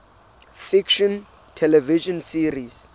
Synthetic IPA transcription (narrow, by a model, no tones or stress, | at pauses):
fikʃɔ̃n | tʰɛlɛviʃɔnsiris